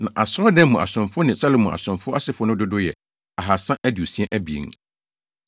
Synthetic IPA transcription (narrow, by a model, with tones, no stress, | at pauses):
nã˨ʔa˨sɾɔ˦dɛ̃˦mũ˨a̰˨sʊ̃˨mfʊ˦nɪ̃˨sa˦lo˨mũ˨a̰˨sʊ̃˨mfʊ˦a˦sɪ˨fʊ˦nʊ̃˦dʊ˦dʊ˦jɛ˨ | a˨ɦa˨sã˦ʔæ˦dɪ˨o˨si˦ɛ̃˦ʔæ˦bi˨ḛ˨˦